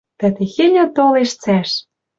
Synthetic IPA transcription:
t̪ɘ̆t̪exenʲæ̆t̪oleʃt͡sæʃ

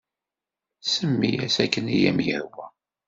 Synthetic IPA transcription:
səmːijæsækːənijæmjəhwæ

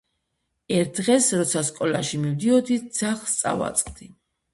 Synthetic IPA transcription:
ɛɾt̪̚ʰdd̪ʁɛsɾɔt̪sʰaskʼɔlaʃimivd̪iɔd̪id̪z̥aχst̪sʼa̰va̰t̪sʼqʼd̪i

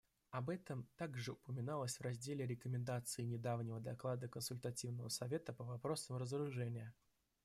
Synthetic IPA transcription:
ɐbɛt̪əmt̪aɡʐɨʊpəmʲɪnalˠəsʲvrɐzʲdʲelʲɪɾʲɪkəmʲɪnd̪at̪sɨɪnʲɪd̪avnʲɪvəd̪ɐklˠad̪əkənsʊlʲt̪ɐtʲivnəvəsɐvʲe̞t̪əpəvɐpɾo̞səmɾəzəɾʊʐɛnʲɪjə

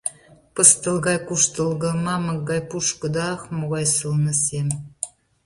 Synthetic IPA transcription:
pɤ̆st̪ə̆lɣɑjkuʃt̪ə̆lˠɣɤ̆mɑmɤ̆kɡɑjpuʃkɤ̆d̪ɑxmoɣɑjsəlnə̆sem

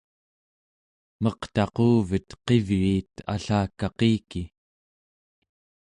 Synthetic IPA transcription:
mʌqt̪ɑquːvət̪qe̞vɻiːt̪a̰ɬaːkːɑqiːki

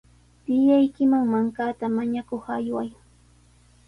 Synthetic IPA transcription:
t̪ɪjajkɪmaŋmaŋkaːt̪amaɲakoχajwaj

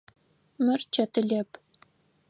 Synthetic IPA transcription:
mɘ̆rt͡ɕet̪ɘ̆lʲep

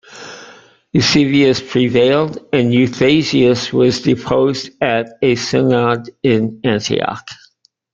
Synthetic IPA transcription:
jʉsɪviɨspʰɹ̥iveɪlˠdɨ̃njʉθeɪziɨswʌzdɨpʰoʊzdɨɾɨsɪnɑdɪ̃næ̃ntʰḭɑ̰k

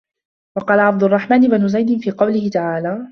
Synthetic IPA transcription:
wɑqɑːlaʕab̚d̪ʊrˤːɑħmaːnɪbanʊzajd̪ɪnfiːqɑwlɪhɪt̪aʕaːlaː

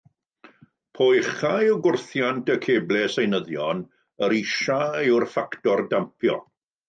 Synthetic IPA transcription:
pʰojχajɔɡʊrθjantʰəkʰeːblɛsejnəðjɔn | əɾiʃaɪwrfaktɔrdampʰjɔ̰

